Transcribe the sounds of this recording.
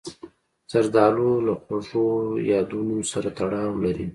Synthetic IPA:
z̥aɾd̪ɑlolaxwaʐojɑd̪unosaɾat̪aɽɑwlaɾi

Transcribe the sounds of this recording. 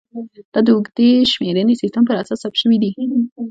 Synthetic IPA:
d̪̥ɑd̪əʊɡd̪eʃmeɾənesɪst̪əmpəɾasɑsːap̚t̪ʃəwid̪i

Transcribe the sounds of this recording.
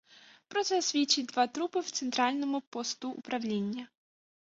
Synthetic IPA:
pɾɔt̪sɛsʲʋʲit͡ʃːid̪ʋat̪ɾupɪwt̪sɛnt̪ɾɑlʲnɔmʊpɔst̪ʊ̰ːpɾɐwlʲinʲːɐ

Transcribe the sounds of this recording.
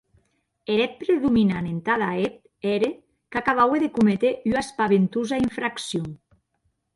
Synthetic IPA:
eɾɛt̪̚pɾeðuminanent̪aðaep̚ | ɛɾe | kakaβaweðekumet̪eʔyaspaβent̪uzaiɱfɾaksjoŋ

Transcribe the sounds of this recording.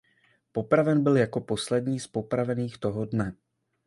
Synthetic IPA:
po̞pɾavɛnbɪljako̞po̞slɛdɲiːspo̞pɾavɛniːxt̪o̞ɦodnɛ

